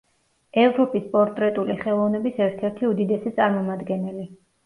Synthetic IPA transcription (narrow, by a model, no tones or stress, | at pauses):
ɛvɾɔpʼispʼɔɾt̪ʼɾɛt̪ʼuliχɛlˠɔvnɛbisɛɾt̪ʰɛɾt̪ʰiud̪id̪ɛsit̪sʼaɾmɔmad̪ɡɛnɛli